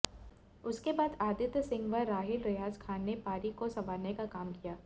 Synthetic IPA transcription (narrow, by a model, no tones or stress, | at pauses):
ʊskebaːd̪aːd̪ɪt̪sɪ̃ŋɡʋɐɾːaːɦɪlɾɪɦaːd͡ʒkʰaːnːepaːɾikosɐʋaːɾnekakaːmkijaː